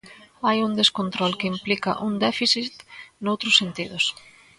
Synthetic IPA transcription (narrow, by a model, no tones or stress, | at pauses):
ajuŋd̪eskont̪ɾɔlkɪimplikɐ̰ʔuŋd̪ɛfisit̪nowt̪ɾʊsːent̪iðʊs